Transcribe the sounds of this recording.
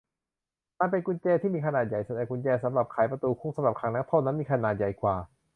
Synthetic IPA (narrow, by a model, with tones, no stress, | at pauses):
maː˧˩np̬e˧nku˧nt͡ɕɛː˧t̪ʰiː˥˩miː˧kʰa˧naː˨˩t̪̚ja˨˩jsa˧˦dɛː˧˩kʰu˧nt͡ɕɛː˧sa˨˦mɾa˨˩p̚kʰaː˨˩˦jpɾa˧t̪uː˧kʰu˧˥˩ŋsa˧˦mɾa˨˩p̚kʰaː˧˦ŋnaː˧˦˥t̪ʰɔː˥˩na˦˥nmiː˧kʰa˧naː˨˩t̪̚ja˨˩jkʰwaː˨˩